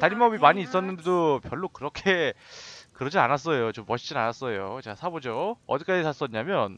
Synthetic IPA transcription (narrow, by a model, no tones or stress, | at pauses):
taɾimʌbimaɲiːs͈ʌnːɯnde̞dopjʌɭːokɯɾʌkʰe̞ | kɯɾʌd͡ʑianas͈ʌjot͡ɕomːʌɕʰi̥d͡ʑina̰nas͈ʌjot͡ɕeasʰabod͡ʑoʌd̪ik͈ad͡ʑisʰas͈ʌɲamjʌn